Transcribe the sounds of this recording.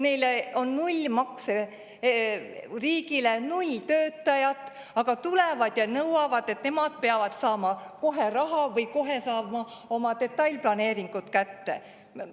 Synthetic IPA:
nejleo̞nːulʲːmɑkse | riːɡile̞nulʲt̪øːt̪ːˑɑjɑt̪ːˑ | ɑɡ̥ɑt̪ule̞vɑd̪̥jɑnɤwɑvɑd̪̥e̞t̪ne̞mɑd̪̥̚peɑvɑd̪̥sɑːmɑko̞ɦe̞ɾɑɦɑvɤjko̞ɦe̞sɑːbmɑo̞mɑt̪e̞t̪ːˑɑjlʲplɑne̞ːɾiŋɡ̥ut̪kæt̪ːe̞̰

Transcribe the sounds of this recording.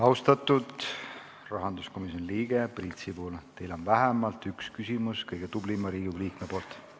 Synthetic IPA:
ɑwst̪ɑt̪ːud̪̥ | rɑɦɑnd̪usko̞miso̞nliːɡ̥e̞prit̪sipuːlt̪e̞jlo̞nvæɦemɑlt̪ˑykskysimuskɤjɡ̥et̪ublimːɑɾiːɡuɡliːkmepo̞ːlt̪ˑ

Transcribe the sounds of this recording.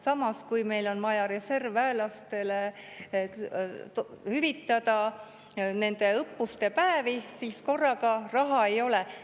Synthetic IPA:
sɑmɑskujme̞jlo̞nmɑjɑɾe̞se̞rvæelɑst̪e̞le | hyvit̪ːˑɑd̪̥ɑ | ne̞nd̪̥e̞ɤpːust̪e̞pæevisiːsko̞rːɑɡɑrɑɦɑe̞jo̞le

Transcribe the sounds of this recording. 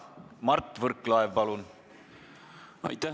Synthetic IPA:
mɑrt̪ˑːvɤrkːlɑevpɑlun | ɑ̰jt̪æ

